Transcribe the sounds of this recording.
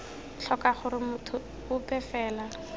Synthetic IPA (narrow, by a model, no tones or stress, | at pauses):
ɬʰɔkaχʊɾɪmʊtʰʊ | ʊpɛfɛːla